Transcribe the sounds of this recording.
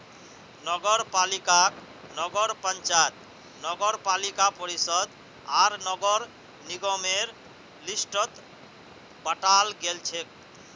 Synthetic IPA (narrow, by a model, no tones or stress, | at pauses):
nɔɡɔɾpalikak | nɔɡɔɾpənt͡ʃat̪̚ | nɔɡɔɾpalikapɔɾisɔd̪ | aɾnɔɡɔɾ | niɡɔmeɾ | lisʈɔt̪ | bəʈalɡelt͡ʃʰek̚